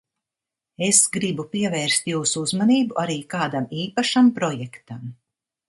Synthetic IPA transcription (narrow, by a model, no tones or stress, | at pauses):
esɡɾibupiɛvɛːɾst̪juːsuuzmaniːbuʔaɾiːkaːd̪amiːpaʃampɾɔjɛkt̪am